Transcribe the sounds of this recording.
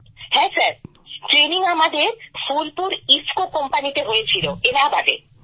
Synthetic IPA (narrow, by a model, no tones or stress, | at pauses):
hɛsʰɛɾ | ʈɾeniŋamad̪eɾfulpuɾiskokɔmpanit̪eɦojet͡ɕʰiloelaba̰d̪ḛ